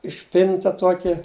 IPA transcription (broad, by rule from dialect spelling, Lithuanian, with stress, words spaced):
ɪʃʲˈpʲɪntɐ ˈtuɔkʲɛ